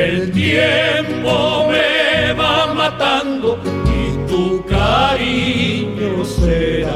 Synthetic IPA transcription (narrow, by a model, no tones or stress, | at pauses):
elt̪jempomeβamat̪and̪okit̪ukaɾiɲoseɾa